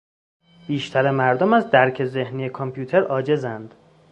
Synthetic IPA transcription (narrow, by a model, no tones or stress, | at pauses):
b̥iːʃt̪ʰæɾemæɾd̪omæzd̪æɾcʰe̞ze̞hniːjekʰompʰjuːt̪ʰeɾɒːd͡ʒe̞zænd̪̥